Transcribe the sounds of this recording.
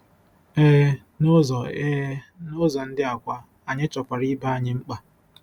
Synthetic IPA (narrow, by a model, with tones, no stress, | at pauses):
e˦ɦ | no˦zɔ˨e˦no˦zɔ˨n̩˦dɪ˦a˨kʷa˦ | a˨ɲɪ˦t͡ʃɔ˨kʷa˨ɾi˦ba˦a˨ɲɪ˦ŋ͡m̩˦k͡pa˨